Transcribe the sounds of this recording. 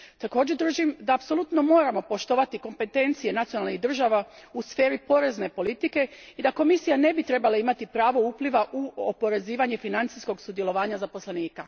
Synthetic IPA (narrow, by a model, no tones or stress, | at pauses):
t̪ako̞ːd͡ʑed̪ɾruʒimd̪aːpso̞lˠut̪no̞mo̞ːɾamo̞po̞ʃt̪o̞ʋat̪iko̞mpe̞t̪e̞nt̪sije̞nat̪sionalniɦd̪r̩ʒaʋausfe̞ːɾipo̞ɾe̞zne̞po̞lit̪ike̞id̪ako̞misijane̞bit̪ɾe̞balaimat̪ipɾaːʋo̞uːpliʋaʔuopo̞ɾe̞ziːʋaɲe̞finant̪sisko̞ɡsud̪je̞loʋaːɲazapo̞slaniːka